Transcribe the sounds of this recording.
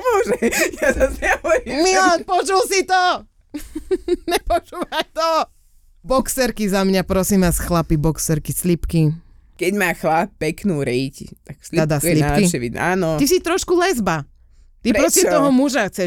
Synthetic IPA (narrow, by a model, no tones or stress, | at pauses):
mɔʒɛjazazɪaujɛmilanpɔt͡ʃulsit̪ɔ | ɲɛpɔt͡ʃuːʋajt̪ɔ | bɔksɛɾkizamɲapɾɔsimʋaːsxlapibɔksɛɾkislipki | kɛɟmaːxlap̚pɛknuːɾɛjct̪aksliad̪asliapkiɛʋiaːnɔt̪is̬it̪ɾɔʃkulɛzba | t̪ipɾpɾɔsiɔɦɔmuʒaxt͡sɛ